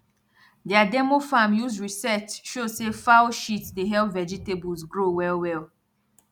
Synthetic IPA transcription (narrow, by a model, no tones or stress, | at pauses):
dɛadɛmofamjuzɹisɛt͡ʃʃosefaʊʃitdeɦɛlpvɛd͡ʒitebɔzɡɹowɛlwɛl